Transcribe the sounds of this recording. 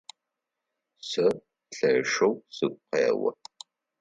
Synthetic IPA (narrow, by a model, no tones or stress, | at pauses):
sɐ | ɬɐʂɐwsɨɡ̚ʷqeːwɐ̰